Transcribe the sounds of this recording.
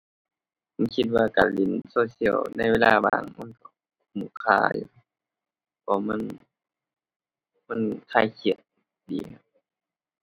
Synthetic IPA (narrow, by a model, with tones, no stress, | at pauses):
ma˧˥˨nkʰi˧t̪̚waː˧kaː˨˩nli˧˩˨nsoː˧si˧˩˨ə˨wna˧˩jweː˧lʔaː˧baː˧˩ŋma˧˨nkɔ˧˩ | muː˧˩˨kʰaː˧˩j̰ | bɔː˧˩ma˧˥˨n | ma˧˥˨nkʰaː˧˩jkʰi˧˩ə˩t̪̚ | dḭː˨˦kʰa˧˦p̚